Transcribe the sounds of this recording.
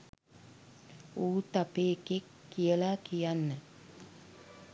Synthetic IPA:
uːt̪apeːkekːijəlakijanːə

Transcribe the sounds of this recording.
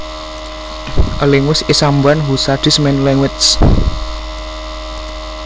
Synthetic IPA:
ʔəleŋʊsisambanɦusad̥i̤smɛnlɛŋwɪt͡ʃs

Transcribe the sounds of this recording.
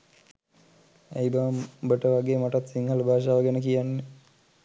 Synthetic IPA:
ḛjbaʋmbəʈəʋaɡeːmaʈat̪siŋɦələbʱaːʃaːʋəɡenəkijanːe

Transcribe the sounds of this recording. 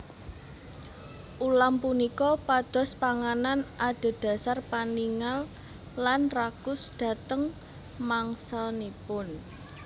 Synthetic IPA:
ʔulampunikɔpad̪̥ɔ̤spaŋananʔad̪̥ɔ̤d̥ä̤sarpaniŋal | lanrakʊsd̪̥ä̤t̪əŋ | maŋsanipʊn

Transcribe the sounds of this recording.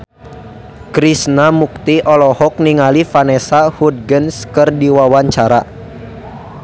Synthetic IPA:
kɾisnamuk̚t̪iʔɔlɔhɔk̚niŋalifanɛsahud̚ɡənskɨrdiwawaɲt͡ʃaɾa

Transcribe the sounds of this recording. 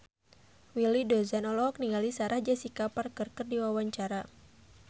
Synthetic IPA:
wilidɔzanɔlɔɔk̚niŋɡalisaɾahd͡ʒasikaparkɨrkərdiwawaɲt͡ʃaɾa

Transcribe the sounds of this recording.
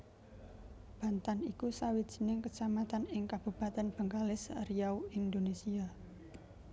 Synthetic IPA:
b̥a̤nt̪anikusawid̥d͡ʒ̥i̤̥nɪŋkət͡ʃamat̪anɪŋkab̥ub̥a̤t̪ɛnb̥ə̤ŋkalɪsərijawind̪onesia

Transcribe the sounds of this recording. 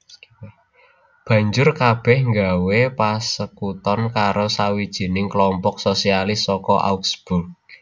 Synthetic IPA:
b̥ä̤ɲd͡ʒʊrkab̥ɛhŋɡawepasəkut̪ɔnkaɾosawid̥ʒ̥i̤nɪŋklɔmpɔk̚sosialɪsːɔkɔʔa̰uksb̥ʊrk̚

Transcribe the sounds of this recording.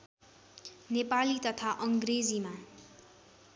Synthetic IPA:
nepalit̪ʌt̪ʰaʔʌŋɡred͡zima

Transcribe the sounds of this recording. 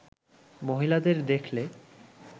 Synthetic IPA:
moɦilad̪eɾd̪ekʰle

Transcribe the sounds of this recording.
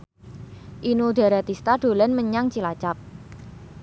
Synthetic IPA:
ʔinuɖa̤ɾat̪ist̪ad̥o̤lɛnməɲaŋt͡ʃilat͡ʃap̚

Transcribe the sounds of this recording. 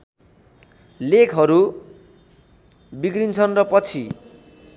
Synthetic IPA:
lekʰɦʌɾu | biɡrint͡sʰʌnrʌpʌt͡sʰi

